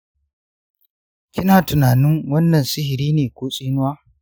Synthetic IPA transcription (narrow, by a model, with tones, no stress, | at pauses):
kʲɪ˦naː˨tʊ˨naː˨nɪ˦ŋwɐ˦nːɐ˨nsɪ˦hɪ˨ɾiː˦neː˨kʷoː˦sʼiː˦nʊ˦waː˦